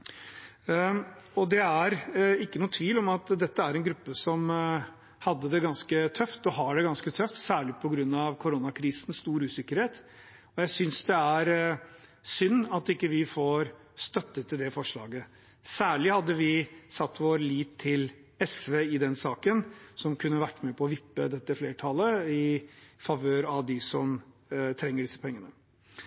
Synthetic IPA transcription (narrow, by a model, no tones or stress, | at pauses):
ɔd̪ɛæɾɪkːənuːət̪ʰʋiːlɔmɑt̪d̪ɛt̪ːəæɾɛnɡɾʉpːəsɔm | hɑd̪ːəd̪ɛɡɑnskət̪ʰœft̪ɔɦɑɖɛɡɑnskət̪ʰœft̪sæːɭɪpʰɔɡɾʉnːɑʋkʰʊɾonɑkʰɾiːsn̩st̪uːɾʉːsɪkːəɾheːt̪ | ɔjæɪsʏnsd̪ɛæɾ | sʏnːɑt̪ɪkːəʋɪfoːɾ | st̪œt̪ːət̪ʰːɪld̪ɛfɔʂɭɑ̰ːɡə | sæːɭɪhɑd̪ːəʋɪsɑt̪ːʋoːɾəliːt̪ʰːɪl | ɛsʋeːɪd̪ɛnsɑːkənsɔmkʰʉnːəʋæʈːmepʰɔɔʋɪpːə̰d̪ɛt̪ːəfleːʈʰɑləɪfɑʋøːɾɑʋd̪ɪsɔmt̪ʰɾɛŋːəɖɪsːə̥pʰɛŋːənə